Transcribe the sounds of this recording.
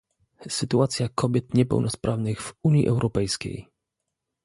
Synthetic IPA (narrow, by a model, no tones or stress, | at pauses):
sɘt̪uat̪sʲjakʰɔbʲjɛt̪ɲɛpɛ̰wnɔspɾʔavnɘɣv̥uɲḭʔɛwɾʔɔpɛjskʲḛj